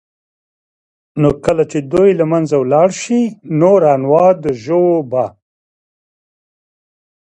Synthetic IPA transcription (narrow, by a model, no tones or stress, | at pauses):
nokəlat͡ʃed̪ojlamanzawlɑɽʃinoɾɑnwɑd̪əʒowba